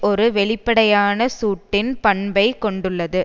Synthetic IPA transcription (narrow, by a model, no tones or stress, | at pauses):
ɔɾɯʋɛɭɪpːɐɽɐjaːnɐsuːʈːɪnpɐɳbɐɪkɔɳɖɯɭːɐðɯ